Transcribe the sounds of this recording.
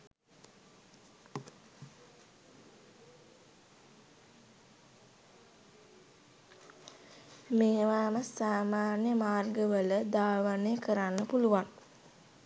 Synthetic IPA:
meːʋaːməsaːmaːnjəmaːrɡəʋələd̪aːʋənejəkəɾanːəpuluʋan

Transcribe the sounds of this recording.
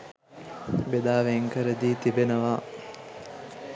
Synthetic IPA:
bed̪aːʋeŋkəɾəd̪iːt̪ibenəʋaː

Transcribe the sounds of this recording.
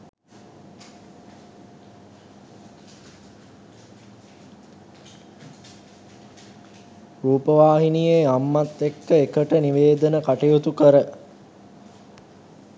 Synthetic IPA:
ruːpəʋaːɦinijeamːat̪ːekːəekəʈəniʋeːd̪ənəkaʈijut̪ukəɾə

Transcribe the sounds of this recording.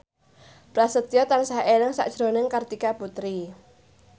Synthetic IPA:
b̥ɾasət̪ijɔt̪ansaɦelɪŋsa̰ʔd̥ʒ̥ɾo̤nɪŋkərt̪ikaput̪ɾi

